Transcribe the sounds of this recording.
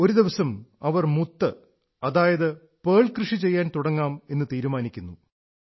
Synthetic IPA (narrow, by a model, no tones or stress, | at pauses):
o̞ɾud̪iʋɐsɐmɐʋɐrmut̪ːɨ | ɐðaːjɐðɨ | peːɭkrɨʂit͡ɕe̞jːaːnt̪uɽɐŋːaːme̞nːɨt̪iːɾumaːnikʲːunːu